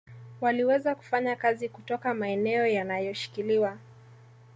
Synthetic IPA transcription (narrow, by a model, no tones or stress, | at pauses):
waliwɛzaku̥faɲakazikutɔkamaɛnɛɔjanajɔʃi̥kiliwa